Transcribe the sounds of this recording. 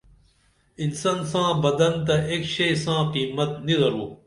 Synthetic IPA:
ɪnsansãːbɐd̪ɐnt̪ɐʔeːkʃɐsãːqiːmɐt̪̚nizɐɾuː

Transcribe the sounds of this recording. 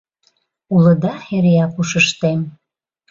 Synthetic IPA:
ulə̆d̪ɑeɾejɑkuʃəʃt̪em

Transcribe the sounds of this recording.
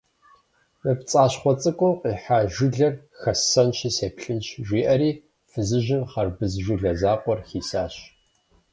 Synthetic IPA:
mɨpt͡sʼaːɕχʷɔt͡sʼɨkʷʼʊqiːħaːʒɪɮɐr | xɐsɐnɕiːseːpɬɨnɕʒʷiːʔɐɾiː | fɨzɨʒɪmχɐrbɨzʒʷɪɮɐzaːqʷɔrxiːsaːɕ

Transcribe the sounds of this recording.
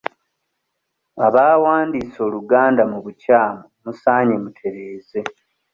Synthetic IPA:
aβaːwaːndiso̞ːluɡaːndamuβucaːmomusaːɲemutʰe̞ɾe̞ːze̞

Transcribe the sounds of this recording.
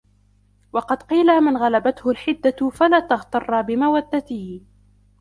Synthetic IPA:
wɑqɑd̪qiːlamɪnɣalabat̪hʊlħɪd̪ːafalaːt̪ɑɣt̪ɑrˤːɑbɪmawad̪ːat̪ɪh

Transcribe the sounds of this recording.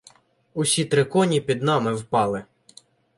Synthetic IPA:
ʊsʲit̪ɾɪkɔnʲipʲid̪nɑmɪwpɑlˠɪ

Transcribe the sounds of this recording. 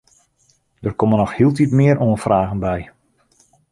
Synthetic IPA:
d̥ərkɔmənɔxhiəlˠtitmɪəɾoənfraːɣənbɛj

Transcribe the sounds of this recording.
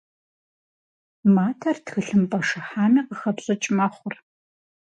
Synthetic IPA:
maːtʰɐrtxɨɬɨmpʼɐʂɨħaːmiːqəxɐpɕʼɐt͡ʃʼmɐχʷʊr

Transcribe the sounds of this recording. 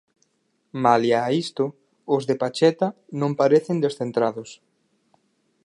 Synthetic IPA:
maljaːist̪ʊ | ʊzðepat͡ʃɛt̪a | nõmpaɾeθɪnd̪esθent̪ɾaðʊs

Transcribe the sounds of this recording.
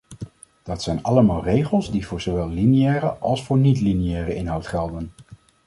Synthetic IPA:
d̥ɑtsɛjnɑləmaːlˠrejχəlˠzdivʊːɹzowʋɛlˠlinijɛːrəʔɑ̰lˠsfʊːɹnitlinijɛːrəʔɪnɦɑwtχɛlˠdən

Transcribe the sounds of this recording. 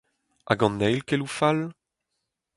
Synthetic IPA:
ʔa̰ɡɑ̃nːɛjlkelufal

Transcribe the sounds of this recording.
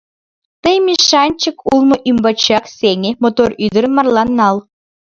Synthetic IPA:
t̪ɤjmʲiʃɑnʲt͡ɕə̆kulˠmɤ̆ʔymbɑt͡ɕɑksʲeŋʲemot̪oryd̪ə̆ɾə̆mɑrlˠɑnːɑlˠ

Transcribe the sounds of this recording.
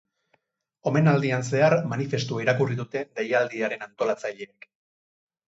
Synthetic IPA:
o̞me̞nald̪ians̬e̞aɾmanife̞st̪uaiɾakuriðut̪e̞d̪ejald̪iaɾe̞nant̪o̞lat͡saʎeːk

